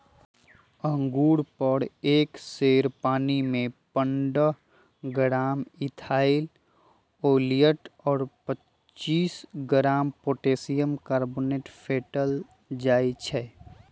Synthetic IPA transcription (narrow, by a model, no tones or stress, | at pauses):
ə̃ŋɡuːɽpəɾeːkseːɾpaːnimẽpəɳɖə | ɡəɾaːmɪt̪ʰaːɪl | oːlijəʈɔːɾpət | t͡ʃːiːsɡɾaːmpoːʈeːsijəmkaːɾboːneːʈfʰeːʈəl | d͡ʒaːit͡ʃʰɛː